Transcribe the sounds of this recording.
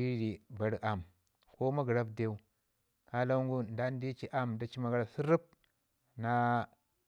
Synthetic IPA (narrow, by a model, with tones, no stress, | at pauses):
i˦ɾi˨ba˨ɾʔa˨m | ko˦ma˦ɡɾa˦bde˦u˦ | ka˦la˦ŋɡu˦nda˦n˦di˦t͡ʃi˦ʔa˦mda˦t͡ʃi˦ma˨ɡa˦ɾa˨si˦ɾi˦p̚ | na˦